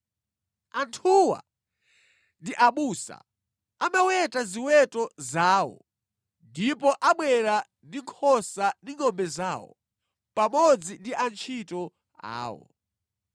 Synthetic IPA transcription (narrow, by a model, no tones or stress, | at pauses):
antʰuwa̰ | ndiʔaɓusa̰ | amawɛtaziwɛtɔzaːwɔ̰ | ndipɔʔaɓwɛɾa | ndiŋkʰɔsandiŋɔmbɛzaːwɔ̰ | pamɔd͡zindiʔant͡ʃʰitɔ | a̰ːwɔ̰